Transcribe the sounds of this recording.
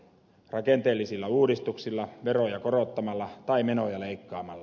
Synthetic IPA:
rɑkent̪eːlːisilːɑuːdist̪uksilːɑʋeɾojɑkoɾot̪ːɑmɑlːɑt̪ɑime̞nojɑle̞ikːɑːmɑlːɑ

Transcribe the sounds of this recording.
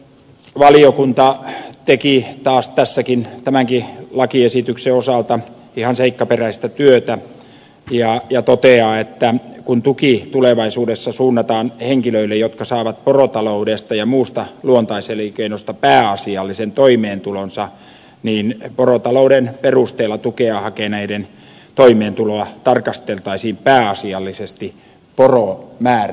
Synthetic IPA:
ʋɑliokunt̪ɑt̪ekit̪ɑːst̪æsːækint̪æmæŋkilɑkiesit̪ykseosɑlt̪ɑ | ihɑnseikːɑperæist̪æt̪yøt̪æ | jɑjɑt̪ot̪eɑːet̪ːækunt̪ukit̪uleʋɑisuːdesːɑsuːnːɑt̪ɑːnheŋkiløilːejot̪kɑsɑːʋɑt̪̚porot̪ɑloudest̪ɑjɑmuːst̪ɑluont̪ɑiselikeinost̪ɑpæːɑsiɑlːisent̪oimeːnt̪ulonsɑ | niːnporot̪ɑloudenperust̪eːlːˑɑt̪ukeɑhɑkeːnæiden | t̪oimeːnt̪uloɑt̪ɑrkɑst̪elt̪ɑisiːmpæːɑsiɑlːisest̪i | poromæːr

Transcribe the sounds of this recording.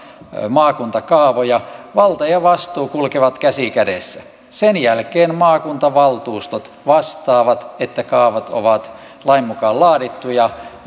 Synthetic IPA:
mɑːkunt̪ɑkɑːʋojɑʋɑlt̪ɑjɑʋɑst̪uːkulkeʋɑt̪kæsikædeˑsːæ | senjælkeːnmɑːkunt̪ɑʋɑlt̪uːst̪ot̪ | ʋɑst̪ɑːʋɑt̪et̪ːækɑːʋɑt̪o̰ʋɑt̪ | lɑimmukɑːllɑːdit̪ːujɑ

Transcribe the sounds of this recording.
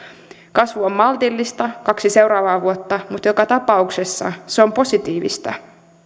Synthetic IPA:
kɑsʋuomːɑlt̪ilːist̪ɑkɑksise̞wɾɑːʋɑːʋuot̪ːɑmut̪jokɑt̪ɑpɑuksesːɑ̰seo̞mpo̞sit̪iːʋḭst̪ɑ̰

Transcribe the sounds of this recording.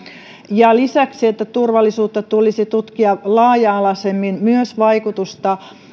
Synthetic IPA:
jɑlisæksiet̪ːæt̪urʋɑlːisuːt̪ːɑt̪ulisit̪ut̪kiɑlɑːjɑːlɑsemːinmyøsʋɑikut̪ust̪ɑ

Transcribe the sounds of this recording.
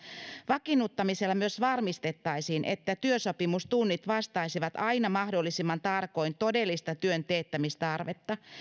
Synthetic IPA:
ʋɑkinːut̪ːɑmiselːɑmyøsʋɑrmist̪e̞t̪ːɑjsiːnʔe̞̰t̪ːæt̪yøso̞pimust̪unːit̪ʋɑst̪ɑisiʋɑt̪ɑinɑmɑhdo̞lːisimːɑnt̪ɑrko̞jnt̪o̞de̞lːist̪ɑt̪yønt̪eːt̪ːæmist̪ɑrʋet̪ːɑ

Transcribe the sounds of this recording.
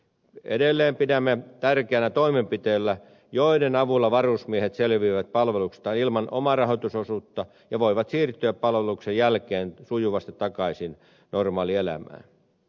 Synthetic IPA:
ḛdelːeːmpidæmːet̪ærkeænæt̪oimempit̪eːlːæ | joidenɑʋulːɑʋɑrusmiehet̪selʋiːʋæt̪̚pɑlʋelukst̪ɑːnilmɑnʔomɑrɑɦot̪usosuːt̪ːɑ | jɑʋoiʋɑt̪siːrt̪yæppɑlʋeluksejjælkeːnsujuʋɑst̪it̪ːɑkɑisin | normɑːlielæ̰mæ̰ː

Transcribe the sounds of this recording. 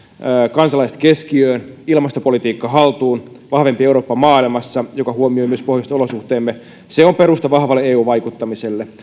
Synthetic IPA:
kɑnsɑlɑise̥t̪keskiøːnilmɑst̪opolit̪iːkːɑɦɑlt̪uːn | ʋɑhʋempieuɾoːpːɑmɑːilmɑsːɑjokɑhuomioimyøspohjɑst̪ɑolosuht̪eːmːe | seompeɾust̪ɑʋɑhʋɑlːeeːuːʋɑjkut̪ːɑmiselːe

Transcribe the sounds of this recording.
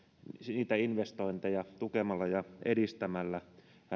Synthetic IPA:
niːt̪æinʋest̪oint̪ejɑt̪ukemɑlːɑjɑʔedist̪æmælːæ

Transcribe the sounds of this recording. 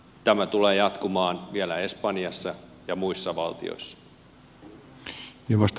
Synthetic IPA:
t̪æmæt̪uleːjɑt̪kumɑːnʋielæe̞spɑnjɑsːɑ | jɑmuisːɑʋɑ̰lt̪ḭo̰isːɑ̥ | jɑʋɑst̪

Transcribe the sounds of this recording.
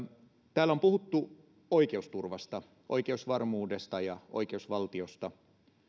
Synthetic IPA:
t̪æːlæompuhut̪ːu | oike̞ust̪urʋɑst̪ɑ | ʔo̞̰jkeusʋɑrmuːde̞st̪ɑjɑo̰jk̟e̞usʋɑlt̪io̞st̪ɑ

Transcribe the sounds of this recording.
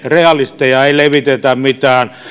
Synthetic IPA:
reɑlist̪ejɑeileʋit̪et̪æmmit̪æːn

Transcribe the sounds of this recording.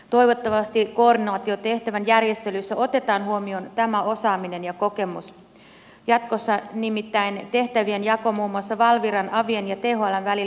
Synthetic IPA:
t̪o̞iʋo̞t̪ːɑʋɑst̪iko̞ːrdinɑːt̪io̞t̪e̞ht̪æʋænjærje̞st̪e̞lysːæʔo̞t̪e̞t̪ɑːnɦuomio̞nt̪æmæo̞sɑːmine̞njɑko̞ke̞mṵs | jɑt̪̚ko̞sːɑnimit̪ːæjnt̪e̞ht̪æʋienjɑko̞muːmːuɑsːɑʋɑlʋiɾɑnʔɑʋienjɑt̪eɦoɑlɑnʋælil

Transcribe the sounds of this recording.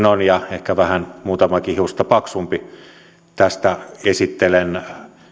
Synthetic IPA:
nonjɑehkæʋæhænmuːt̪ɑmɑkihiust̪ɑpɑksumpi | t̪æst̪æesit̪ːelen

